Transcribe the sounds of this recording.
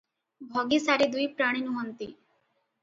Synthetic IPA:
bʱɔɡisaɾid̪uipɾaːɽ̃inũɦɔnt̪ḭ

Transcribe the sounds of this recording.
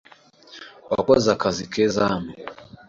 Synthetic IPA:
wa̰kɔzakazikɛzamɛ

